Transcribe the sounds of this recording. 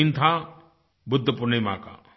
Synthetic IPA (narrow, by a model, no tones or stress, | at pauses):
nt̪ʰa | bʊd̪ʱːəpʊnejma̰ːka̰ː